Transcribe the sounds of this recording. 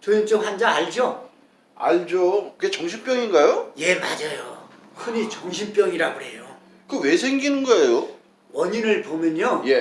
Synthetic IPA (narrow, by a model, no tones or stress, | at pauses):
t͡ɕojint͡ɕ͈omhand͡ʑaaɭd͡ʑo | a̰ɭd͡ʑokɯɡet͡ɕʌŋɕʰimp͈jʌŋinɡajoje̞ma̰d͡ʑajo | kʰɯɲit͡ɕʌŋɕʰimp͈jʌŋiɾaɡoɦe̞̰jo | kɯwe̞sʰe̞ŋɡinɯnɡʌejo | wʌɲinɯɭpomjʌɲoje̞